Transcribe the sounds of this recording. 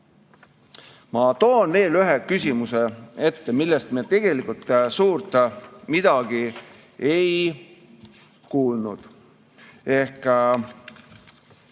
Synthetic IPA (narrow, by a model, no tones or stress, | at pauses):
mɑt̪oːnne̞ːlyɦekysʲimusee̞t̪ːemilːest̪̚miet̪e̞ɡ̥e̞likult̪ːsuːrt̪ˑmid̪̥ɑɡ̥i | e̞j | kuːlnṵd̪̥ | e̞hk